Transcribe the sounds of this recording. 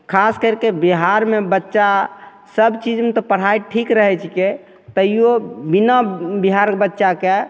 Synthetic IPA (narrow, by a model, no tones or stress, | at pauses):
kʰaskəɾkebiɦaɾmebətːʃa | səbt͡ʃid͡ʒmet̪ɔpəɽ̤ajʈʰikɾəɦɛt͡ʃʰike | t̪əjjobinabiɦaɾkebətːʃake